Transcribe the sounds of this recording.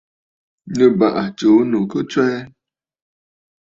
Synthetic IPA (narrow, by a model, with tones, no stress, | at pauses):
ɲə˦ba˨ʔa˨t͡ʃo˨˦nu˨ko˦t͡ʃɛ˦